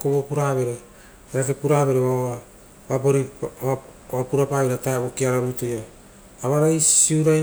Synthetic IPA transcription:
koβopuɾaβe̞ɾe | eɾakepuɾaβe̞ɾeβa | βaboɾi | βapuɾapaβiɾatajβokiaɾaɾujtojaː | βaɾajsiuɾaj

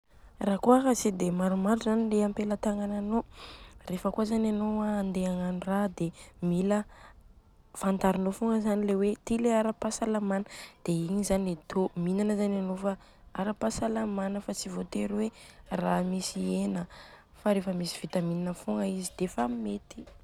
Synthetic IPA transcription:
raːkuaɦasid̪emaɾumaɾuzanileampelət̪aŋananorefəkuazananowaːnd̪eaŋanurad̪emilə | fant̪aɾinofuŋəzanilewet̪ileaɾəpasalamanəd̪̥eiɲizanet̪ʰominanəzananofa | aɾəpasalamanəfat͡sivot̪eɾweramisienə | faɾefəmisi̥v̥it̪aminanəfuŋɡəizid̪̥efamet̪i̥

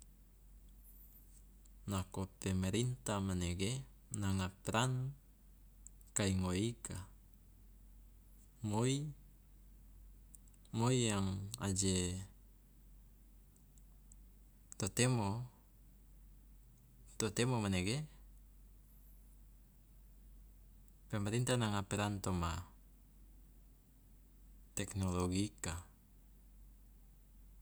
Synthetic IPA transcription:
nakopemeɾint̪amaneɡe | naŋapɾan | kaiŋoikʰa | moi | mojaŋa̰d͡ʒe | t̪ot̪emo | t̪ot̪emomaneɡe | pɛmaɾint̪anaŋapeɾant̪oma | t̪ɛknoloɡika

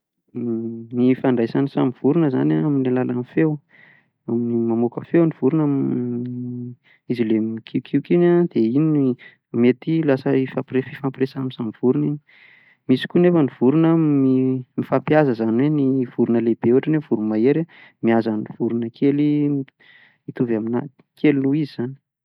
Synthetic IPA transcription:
mifaɳɖ͡ʐajsanisamiv̥uɾunəza̰naaminelalanifew | aminimamokəfewnivuɾunam | izilemikʰiwkʰiwkinad̪̥einin | met̪ilasəifaprefifapɾesamisamiv̥uɾuniɲi | misi̥kʲunefəniv̥uɾunəmimifapjazəzanweniv̥uɾunəleb̥euaʈ͡ʂənevuɾumaeɾamiazaniv̥uɾunəkʰeli | mit̪uvamina | kʰeliluizizani̥

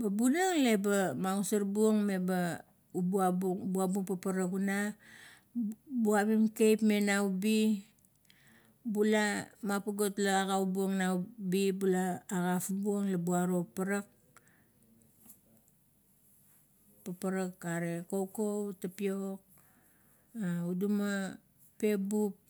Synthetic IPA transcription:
babunaŋle̞bamaɡusaɾbuoŋme̞ba | ubuabubuabuŋpapaɾakuna | buaβimkejpme̞nawubi | bulamapaɡo̞tlaaɡaubuoŋnawbibulaːɡafubuoŋlabuaɾo̞paɾak̚ | papaɾakaɾe̞kowkowtapiok̚ | auduma | pe̞bup̚

